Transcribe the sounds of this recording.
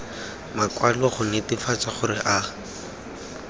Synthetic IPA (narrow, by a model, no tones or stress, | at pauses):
makwalɔχʊnɪtifat͡saχʊɾɪʔaː